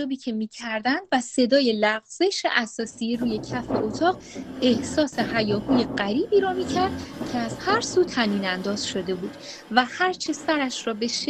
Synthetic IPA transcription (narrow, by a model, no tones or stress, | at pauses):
oːbiːcʰe̞miːcʰæɾd̪ænd̪væse̞d̪ɒːje̞læɣz̥e̞ʃeʔæsɒːsijeɾuːje̞cʰæfe̞ʔot̪ʰɒːʁ | e̞hsɒːse̞ɦæjɒːhuːje̞ɢæɾiːbiːɾɒːmiːcʰæɾd̪̥cʰe̞æzhæɾsuːt̪ʰæniːnænd̪ɒːz̥ʃo̞d̪e̞buːd̪̥ | væhæɾt͡ʃʰe̞sæɾæʃɾɒːbe̞ʃ